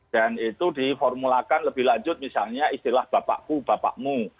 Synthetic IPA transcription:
a̤nit̪udifɔrmulakanləbɪhlaɲd͡ʒʊt̪̚misalɲaist̪ilahb̥a̤pa̰ʔkub̥apa̰ʔmu

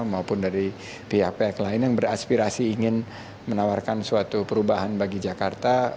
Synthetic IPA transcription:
maupʊndaɾi | piɦak̚peaklaɪnjaŋbəɾaspiɾasiːŋɪn | mənawarkansuat̪upəɾubaɦanbaɡid͡ʒakart̪a

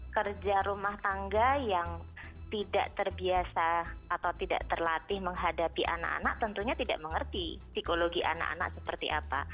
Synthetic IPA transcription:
kərd͡ʒaɾumaht̪aŋɡajaŋ | t̪ida̰ʔt̪ərbiasaːt̪awt̪ida̰ʔt̪ərlat̪ɪhməŋɦadapiʔa̰na̰ka̰naʔ̚t̪ənt̪uɲat̪ida̰ʔməŋərt̪isikoloɡiʔa̰na̰ka̰na̰k̚səpərt̪ḭʔapa̰

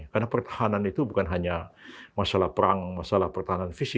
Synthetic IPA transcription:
kaɾnapərt̪ḁhananit̪ubukanɦaɲamasalahpəɾaŋmasalahpərt̪aɦananfisi

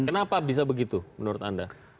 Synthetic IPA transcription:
ənapabis̬abəɡit̪umənuɾʊt̪anda

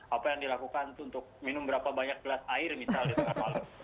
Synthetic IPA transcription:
apajaŋdilakukant̪uːnt̪ʊk̚minʊmbəɾapabaɲak̚bəlasaɪrminsaldisaɾamalʊ

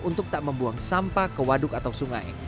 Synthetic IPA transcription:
unt̪ʊk̚t̪aʔməmbuaŋsampakəwadʊkat̪awsuŋa̰j

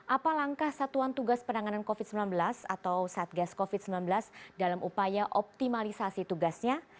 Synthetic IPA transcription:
ʔapalaŋkahsat̪uant̪uɡaspənaŋanankofid̪̚səmbilanbəlasa̰t̪awsaat̪̚ɡaskofid̚səmbilanbəlasdalamʔupajaʔɔp̚t̪imalisasit̪uɡasɲa

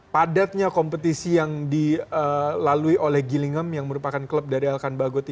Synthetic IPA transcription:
padat̪̚ɲakompət̪isijaŋdiəlaluiʔolɛhɡiliŋəmjaŋməɾupakankləp̚daɾialkanbaɡot̪

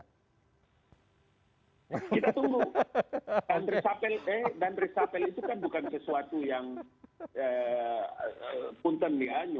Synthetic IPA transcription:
kit̪at̪uŋɡu | dand̪ɾisapɛlɛdand̪ɾisapɛlit̪ukanbukansəsuat̪ujaŋ | ə | punt̪ənːiaɲu

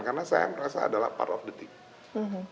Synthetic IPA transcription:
nkarnasaja̰məɾasa̰ːdala̰hpa̰rtɔfdət̪ɪk̚ | m̩ɦ̩

